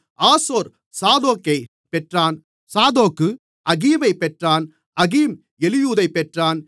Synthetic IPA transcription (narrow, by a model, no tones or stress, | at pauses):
aːsoːɾ | saːðoːkːɐɪ | pɛʈraːn | saːðoːkːɯ | ʔɐɣiːʋɐɪpːɛʈraːn | ɐɣiːm | ɛlɪjuːðɐɪpːɛʈraːn